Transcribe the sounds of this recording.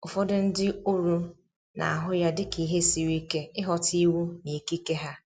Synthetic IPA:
ʊ˨fɔ˦dʊ˦n̩˦dɪ˦o˦ɾu˦ | na̰˨a˨ɦʊ˦ja˦dɪ˦ki˨˦ɦe˦si˨wi˦ke˦ɪ˦ɦɔ˨ti˦wu˦ni˨ki˦ke˦ɦa˦

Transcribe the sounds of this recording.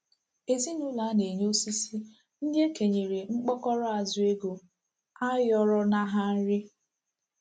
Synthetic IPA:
e˨zi˦nʊ˦la˨˦ne˨ɲo˦si˦si˦ | n̩˦dje˦ke˨ɲe˨ɾe˨ŋ͡m̩˦k͡pɔ˦kɔ˦ɾɔ˦a˨zʊ˨e˦ɡo˨ | a˦jɔ˨ɾɔ˦na˨ɦa˦n̩˦ɾɪ˦

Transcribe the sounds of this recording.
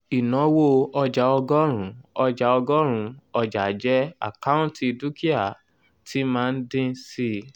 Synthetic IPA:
i˨nɔ̃˨˦wo˦ɔ˧d͡ʒa˨ɔ˧ɡɔ˦ɾ̃ũ˨ɔ˧d͡ʒa˨˧ɔ˧ɡɔ˦ɾ̃ũ˧˦ɔ˧d͡ʒa˨d͡ʒɛ˦a̰˨ka˦ũ˦ti˧du˦ki˦a˦˨ | tʰi˨˦mãː˦˧n̩˦dĩ˦si˧

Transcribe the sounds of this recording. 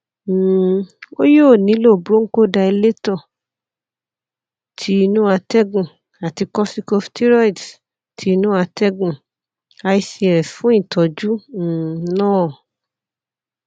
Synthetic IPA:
o˦jo˦˨nĩ˨˦lo˦˨bɾo˦ŋ̩˦ko˦˨da˧i˧le˦tɔ˦˨ | tʰi˨˦i˧nũ˦a˧tɛ˦ɡũ˦˨ | a˨ti˧kɔ˦si˦ko˧fti˦ɾɔ˦i˨d | tʰi˨˧˦nũ˦a˧tɛ˦ɡũ˧˨ | a˧i˧si˨˧˨ɾɛ˨fũ˨˦ĩ˦˨tʰɔ˨d͡ʒu˦˨ | nɔ̃ː˦˨

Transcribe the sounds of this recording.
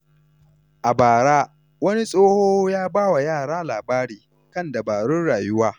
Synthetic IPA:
ʔa˨baː˨ɽaː˦ | wɐ˦ni˦sʼoː˦hoː˦jaː˦baː˦wa˨jaː˦˨ɽaː˦laː˨baː˦ɾiː˨ | kɐ˦nda˨baː˨ɽʊ˦nɽaː˨jʊ˦waː˦

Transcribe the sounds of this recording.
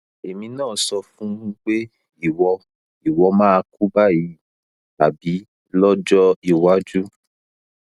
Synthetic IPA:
e˨mĩ˧nãː˦˨sɔ˧fũ˦k͡pe˦ | i˦˨wɔ˧ | i˨wɔ˧mãː˦a˧ku˦ba˦ji˧ | ta˨bi˨˦ | lɔ˦d͡ʒɔ˦i˨wa˨˦d͡ʒu˦

